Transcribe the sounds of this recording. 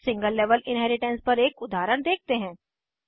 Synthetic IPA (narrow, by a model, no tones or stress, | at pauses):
sɪ̃ŋɡəlːɛːʋəlɪ̃nɦɛːɾɪʈɛ̃nspɐɾeːkʊd̪ʱaːɾəɽ̃d̪eːk̚t̪eɦɛ̃ː